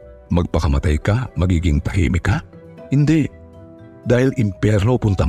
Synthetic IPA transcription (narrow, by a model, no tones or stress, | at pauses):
mɐɡ̚pɐkɐmat̪ajkamɐɡiːɡɪŋp̪ɐhḭːmɪka | hɪnd̪ɛ | d̪aːhɪlʔɪmpjɛɾnopʊnt̪a